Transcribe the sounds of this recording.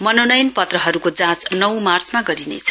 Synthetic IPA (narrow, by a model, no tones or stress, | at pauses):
mʌnonʌjnpʌt̪rʌɦʌɾukod͡zãt͡snʌwmart͡smaɡʌɾinḛt͡sʰʌ̥